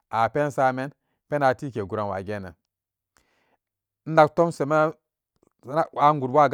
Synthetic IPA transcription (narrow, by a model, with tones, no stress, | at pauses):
a˨pe˦nsa˦me˦n | pe˦na˨ti˦ke˨ɡu˨ɾa˨wa̰˨ɡe˦nḛ˨ | n̩˦da˦kto˦mse˨ma˦ | a˦ŋɡu˨dwa˦˨ɡ